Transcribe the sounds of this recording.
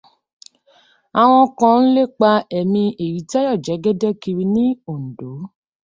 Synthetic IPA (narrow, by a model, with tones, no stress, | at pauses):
a˨w̃ɔ̃˧kɔ̃˧n̩˦le˦˨k͡pa˧ɛ˨mĩ˧e˨ɾi˨˦tɛ˦jɔ˦˨d͡ʒɛ˨˦ɡɛ˦dɛ˦ki˧ɾi˧nĩ˦o˦˨n̩˨do˨˦